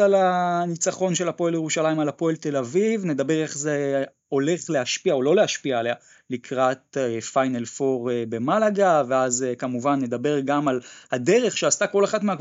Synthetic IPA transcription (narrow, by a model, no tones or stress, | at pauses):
alanit͡saχo̞nʃe̞lhapo̞eljeʁuʃalaimalhapo̞elt̪e̞lavivne̞d̪abe̞ʁeχze | o̞le̞χle̞haʃpiaolo̞lehaʃpiaelea | likʰʁat̚fajnelfo̞ʁbe̞malaɡaveazekamuvanːe̞d̪abe̞ʁɡamalhade̞ʁe̞χʃeastako̞laχatmea